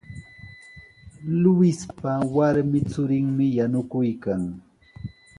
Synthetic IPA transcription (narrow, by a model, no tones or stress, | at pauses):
lʊwɪspawaɾmɪt͡sʊɾɪŋmɪjanʊkʊjkaŋ